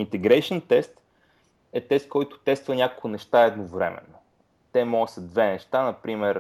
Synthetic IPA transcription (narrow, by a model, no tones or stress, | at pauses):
int̪ɛɡɾɛjʃənt̪ɛst̪ | ɛt̪ɛst̪̚kɔjt̪ʊ̥t̪ɛst̪vɐnʲakokʊnɛʃt̪aɛd̪novɾɛ̰mɛ̰nːo | t̪ɛmɔɡəsəd̪vɛnɛʃt̪anɐpɾimɛɾ